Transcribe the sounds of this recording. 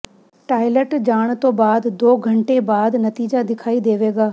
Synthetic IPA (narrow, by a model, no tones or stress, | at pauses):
ʈaːɪləʈd͡ʒaːɽ̃t̪oːbaːd̪d̪oːɡʱɐ̃ɳʈebaːd̪nɐt̪iːd͡ʒad̪ɪkʰaːid̪eːʋeːɡaː